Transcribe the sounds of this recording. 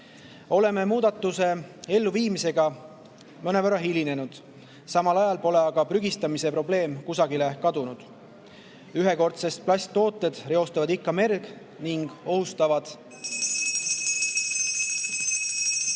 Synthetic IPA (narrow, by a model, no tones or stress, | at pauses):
o̞le̞me̞muːd̪̥ɑt̪ːˑuse̞e̞lːuviːmise̞ɡ̥ɑ | mɤnevøɾːɑɦiline̞nud̪̥ | sɑmɑlɑjɑlpo̞le̞ɑɡ̥ɑpryɡ̥ist̪ɑmise̞pro̞ble̞ːmkusɑɡile̞kɑd̪unud̪̥ | yɦe̞ko̞rt̪se̞st̪̚plɑsʲt̪ːo̞ːt̪ːˑe̞d̪̥reo̞st̪ɑvɑd̪ikːɑme̞rɡ | niŋɡ̥o̞ɦust̪ɑvɑd̪̥